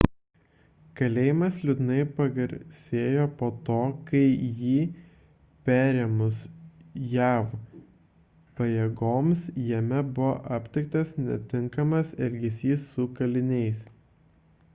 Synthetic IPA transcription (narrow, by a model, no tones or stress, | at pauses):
kɐlʲeːjɪmɐslʲʊd̪nɐɪpɐɡɐɾʲsʲeːjoːpoːt̪oːkɐɪjiː | pʲæːɾʲeːmʊsjæːf | pɐjeːɡoːmsjɛmʲɛbʊʋo̰ːʔɐpʲt̪ʲɪk̚t̪ɐsnʲɛ̰t̪ʲɪŋkɐmɐsɛlʲɡʲɛsʲiːsːʊkɐlʲɪnʲɛɪs